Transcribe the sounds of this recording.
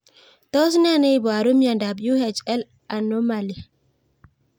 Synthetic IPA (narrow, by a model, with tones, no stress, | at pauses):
t̪ɔ˦s̬na˦ne˦jbɔ˨a˨ɾu˦mia˨nda˨blu˦he˨t͡ʃɛ˦l | a˨no˦ma˨li˨